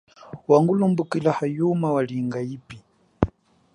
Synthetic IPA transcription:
waŋɡulumbukilahajumawaliŋɡaiːpi

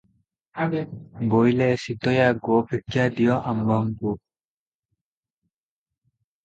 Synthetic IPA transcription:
bojlɛsid̪ɔjaɡobʱiɡjad̪ijɔʔamɡɔmku

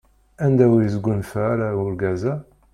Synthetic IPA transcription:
ænd̪æwijəzɡʷːunfæɾaʊɾɡæzæ

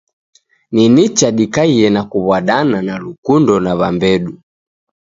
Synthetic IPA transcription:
ninit͡ʃaɗikaiɛnakuβwaɗananalukundɔnaβambɛɗu

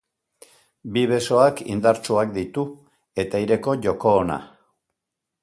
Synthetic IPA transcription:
biβe̞so̞akḭnd̪aɾt͡ʃuakd̪it̪u | e̞t̪aiɾe̞ko̞ʝo̞ko̞ːna̰

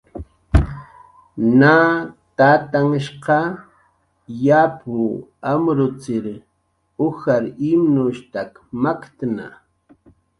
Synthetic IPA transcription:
naːt̪at̪aŋʃqɑ | japʰʊamɾʊt͡sɪɾ | ʊxaɾimnʊʃt̪akmakt̪na̰

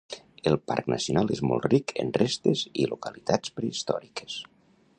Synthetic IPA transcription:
əlˠpa̰ɾknəsiunalˠezmɔ̰lˠt̪rikʰə̰nrest̪əzilukəlit̪at͡spɾeist̪ɔɾikə̥s

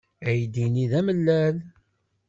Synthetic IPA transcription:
æjd̪iniðæməlːæl

